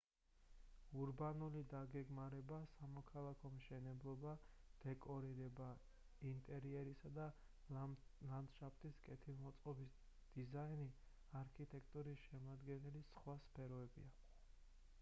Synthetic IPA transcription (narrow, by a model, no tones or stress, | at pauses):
uɾbanulid̪aɡɛɡmaɾɛbasamɔkʰalˠakʰɔmʃɛnɛblˠɔbad̪̥ɛkʼɔɾiɾɛba | int̪ʼɛɾiɛɾisad̪a | land̪ʃapʰt̪ʼiskʼɛt̪ʰilˠmɔt̪sʼqʼɔbis | d̪̥izaini | aɾkʰit̪ʼɛkʰt̪ʼuɾisʃɛmad̪ɡɛnɛlisχwaspʰɛɾɔɛbḭa